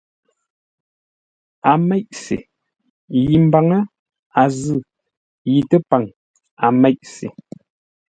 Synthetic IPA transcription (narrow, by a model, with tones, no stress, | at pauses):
a˨mɛ˦ʔsḛ˨ | ji˨m̩˨ba˨ŋə˦ | a˨zɨ˦˨ | ji˨tə˦pa˨ŋ | a˨mɛ˦˨ʔsḛ˨